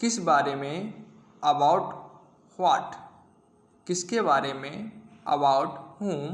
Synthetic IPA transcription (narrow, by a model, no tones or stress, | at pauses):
kɪsbaːɾemẽ | ɐbaːʊʈ | hwaːʈ | kɪskebaːɾemẽɐ̰baːʊʈɦuːm